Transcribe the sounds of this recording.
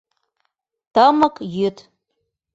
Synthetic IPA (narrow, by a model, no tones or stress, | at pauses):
t̪əməkjyt̪